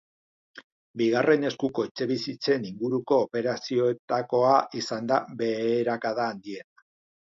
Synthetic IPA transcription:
biɣ̞are̞ne̞skuko̞et͡se̞βisit͡se̞niŋɡuɾuko̞ːpe̞ɾasio̞e̞t̪ako̞aʔisand̪aβe̞ːɾakaðaːnd̪ie̞na

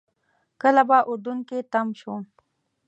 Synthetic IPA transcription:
kəlabaʔud̪uŋket̪amʃo

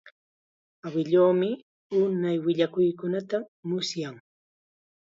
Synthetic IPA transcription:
awɪʎoːmɪ | ʊnajwɪʎakʊjkʊnat̪amʊsjaŋ

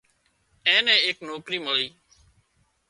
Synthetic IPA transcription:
ɛ̃ːnɛ̃ːeːknoːkɾiːməɭiː

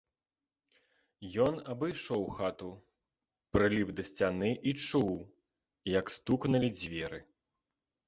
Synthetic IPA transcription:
jɔnɐbɨjʂɔwxat̪u | pɾɨlʲipd̪ɐsʲt͡sʲanɨʔit͡ʂuw | jɐkst̪uknɐlʲid͡zʲvʲɛɾɨ

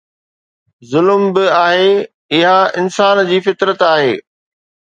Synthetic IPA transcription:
zʊlmbɪaːɦeː | ɪɦaɪnsaːnd͡ʑiːfɪt̪ɾət̪aːɦeː

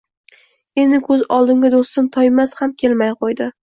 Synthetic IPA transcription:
e̞nd̪ɪkʰɵzɒlˠd̪ɪŋɡʲad̪ost̪ɪmt̪ʰɒjmashamkʲʰe̞lmajqʰojd̪ɪ

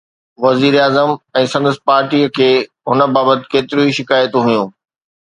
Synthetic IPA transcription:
ʋɐziːɾaːzəmɛ̃ːsɐ̃nd̪əs̆paːɾʈiːəkʰeː | ɦʊnə̆baːbət̪ɪ̥̆keːt̪ɪɾuiʃɪkaːjət̪ɦʊjũː

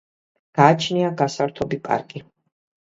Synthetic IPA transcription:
ɡ̥aːt͡ʃʰniaɡasaɾt̪ʰɔbipʼa̰ɾkʼi

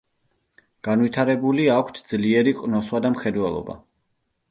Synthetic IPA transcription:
ɡ̥anwit̪ʰaɾɛbuliakʷʰt̪ʰd̪zliɛɾiqʼnɔswad̪amχɛd̪wɛlˠɔ̰ba̰

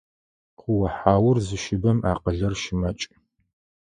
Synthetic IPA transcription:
qʊwɐħaːwʊrzɨʃɪbɐma̰ːqəɮɐrʃɪmɐt͡ʃʼ

